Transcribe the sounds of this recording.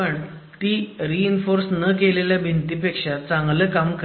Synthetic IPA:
əɳ | t̪iːɾiːnfoɾsnəkeleljabʱint̪ipekʂat͡saŋɡləːkamk

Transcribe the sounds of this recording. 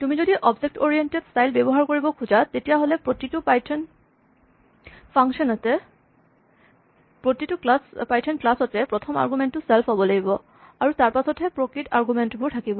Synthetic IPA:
t̪umid͡ʑod̪iʔɔbd͡ʑek̚ʈoɾieɳʈedsʈajlbɛboɦaɾkoɾibokʰud͡ʑat̪etijaɦolepɾot̪iʈupajʰn | fʰaŋʃɔnat̪e | pɾot̪iʈukspajʈʰenklasɔt̪epɾot̪ʰoma̰ɾɡumenʈuselfʰɔbolejbo | aɾut̪aɾpasʰot̪ʰepɾokɾiʈaɾɡumeɳʈbʱuɾʈ̪ʰakibo

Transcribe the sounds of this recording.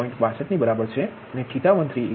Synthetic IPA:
ĩɳʈbʱasʰət̪nibəɾabəɾt͡ʃʰe | ənekʰit̪amə̃nt̪ɾi

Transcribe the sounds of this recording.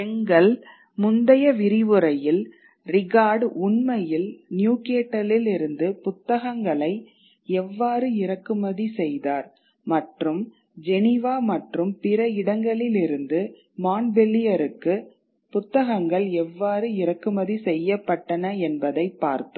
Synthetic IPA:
ɛŋɡɐɭ | mʊnd̪ɐjɐʋɪɾɪʋɯɾɐjɪl | rɪɣaːɖʊɳmɐjɪlnjuːkeːʈːɐlɪlɪɾɯnd̪ɯpʊt̪ːɐɣɐŋɡɐɭɐɪ | ɛʋːaːɾɯɪɾɐkːɯmɐðisɛjðaːɾ | mɐʈrɯm | d͡ʒɛnɪʋaːmɐʈrɯmpɪɾɐɪɽɐŋɡɐɭɪlɪɾɯnd̪ɯ | maːnbɛlːɪjɐɾɯkːɯ | pʊt̪ːɐɣɐŋɡɐɭɛʋːaːɾɯɪɾɐkːɯmɐðisɛjːɐpːɐʈːɐnɐɛnbɐðɐɪpːa̰ːɾt̪ɯ̥

